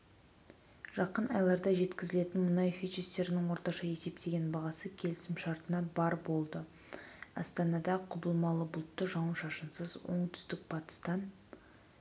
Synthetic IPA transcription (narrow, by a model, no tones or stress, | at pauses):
ʒ̥ɑqənɑjlˠɑɾd̪ɑʒe̞t̪kʲɪzɪle̞t̪ɪnmʊnɑjfit͡ʃest̪e̞ɾɪnɪŋwo̞ɾt̪ɑʃɑe̞se̞pt̪e̞ɡʲe̞nbɑʁɑsəkʲʰe̞lɪsɪmʃɑɾt̪ənɑbɑɾbo̞lˠd̪ə | ɑ̰st̪ɑnɑd̪ɑqʰʊbəlˠmɑlˠəbʊlˠt̪ːəʒɑwənʃɑʃənsəzwo̞̰ɴt̪ʰʏ̥st̪ɪk̚bɑt̪ə̥st̪ɑn